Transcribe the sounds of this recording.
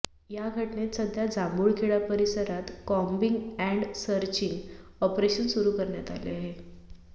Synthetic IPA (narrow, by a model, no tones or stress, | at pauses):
jaɡʱəʈnesəd̪ʱjad͡zambuːɭkʰeɭapəɾisəɾat̪kɔmbiŋɡɛ̃ɳɖsəɾt͡ɕiŋɡɔpɾeɕənsuɾuːkəɾɳjat̪alḛaɦe